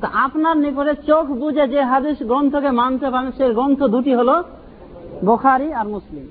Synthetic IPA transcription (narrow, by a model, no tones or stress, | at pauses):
t̪oʔapnaɾnek̬oɾet͡ɕokʰbud͡ʑed͡ʑeɦad̪iʃɡɾɔnt̪ʰokemant̪epaɾenʃeɾɡɾɔnt̪ʰod̪uʈiɦolo | bokʰaɾiaɾmuslim